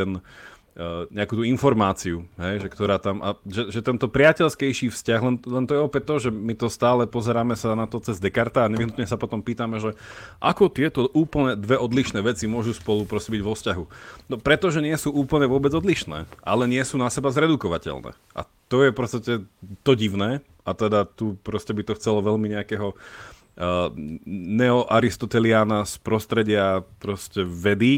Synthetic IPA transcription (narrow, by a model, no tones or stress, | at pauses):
ɛn | ɲɛakut̪uinfɔɾmaːt͡siuɦɛjʒɛkt̪ɔɾaːt̪amʔa̰ʒɛʒɛt̪ɛnt̪ɔpɾɪacɛlskɛjʃiːfscaɣlɛnlɛnt̪ɔjɛɔpɛt̚t̪ːɔʒɛmit̪ɔst̪aːlɛpɔzɛɾaːmɛsanat̪ɔt͡sɛzd̪ɛkaɾt̪aːɲɛʋiɦnut̪ɲɛsapɔt̪ɔmpiːt̪amɛʒɛʔakɔt̪ɪɛt̪ɔʔuːpl̩ɲɛd̪ʋɛʔɔd̪liʃnɛːʋɛt͡simʊɔʒuspɔlupɾɔscɛbiɟʋɔfscaɦunɔpɾɛt̪ɔʒɛɲɪɛsuːuːpl̩ɲɛʋʊɔbɛd͡zɔd̪liʃnɛ̰ːʔa̰lɛɲɪɛsuːnasɛbazɾɛd̪ukɔʋacɛ̰lnɛ̰ː | ʔa̰ | t̪ɔjɛfpɔt͡st̪acɛt̪ɔɟiʋʊnɛː | ʔat̪ɛd̪at̪upɾɔscɛbit̪ɔxt͡sɛlɔʋɛʎmiɲɛakɛːɦɔ | nɛɔʔaɾist̪ɔt̪ɛliaːnaspɾɔst̪ɾɛɟɪapɾɔscɛʋɛd̪i